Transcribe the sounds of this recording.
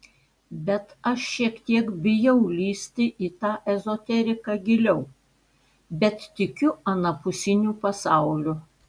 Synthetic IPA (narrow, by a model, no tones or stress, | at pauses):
bʲɛt̪ɐʃʃʲiɛkt̪ʲiɛkbʲɪjɛʊlʲiːsʲt̪ʲɪʔiːt̪ɑːʔɛzoːt̪ʲɛɾʲɪkɑːɡʲɪlʲɛʊ | bʲɛt̪t̪ʲɪkʲʊɐnɐpʊsʲɪnʲuːpɐsɑˑʊlʲʊ